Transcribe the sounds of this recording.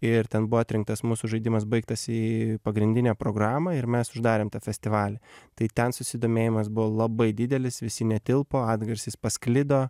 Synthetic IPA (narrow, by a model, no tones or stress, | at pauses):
ɪɾt̪ʲɛnbʊɔːat̪ʲɾʲɪŋk̚t̪ɐsmuːsuʒɐɪd̪ʲɪmɐsbɐɪk̚t̪ɐsiːpɐɡɾʲɪnʲd̪ʲɪnʲæːpɾoːɡɾɑːmɐɪɾmʲɛsʊʒd̪ɑːɾʲeːmt̪ɑːfʲɛsʲt̪ʲɪʋɑːlʲɛt̪ɐɪt̪ʲɛnsʊsʲɪd̪oːmʲeːjɪmɐsbʊʋoːlˠɐbɐɪd̪ʲɪd̪ʲɛlʲɪsʋʲɪsʲɪnʲɛt̪ʲɪlˠpoːɑːd̪ɡɐɾʲsʲɪspɐsklʲɪd̪oː